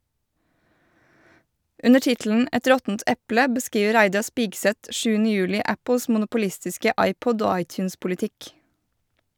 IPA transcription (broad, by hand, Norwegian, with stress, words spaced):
ˈʉnə ˈʈɪtl̩n̩ ˈɛt ˈɾɔtn̩t ˈɛplə bəˈskiːʋə ˈɾæɪdɑ ˈspiːɡˌsɛt ˈʃʉːnə ˈjʉːlɪ ˈæpəs mʊnʊpʊˈlɪstɪskə ˈɑɪˌpɔd ˈoː ˈɑɪˌtjʉːnspʊlɪˌtɪk